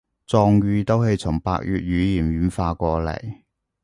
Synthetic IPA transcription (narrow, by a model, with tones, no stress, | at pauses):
t͡sɔː˧ŋɥyː˧t̪o˥whe˧jt͡sʰʊ˨˩ŋpa̰ː˧k̚jyː˨t̚ɥyː˨˧jiː˨˩nɥyː˨˥nfaː˧kʷɔː˧lɐ̰˨˩j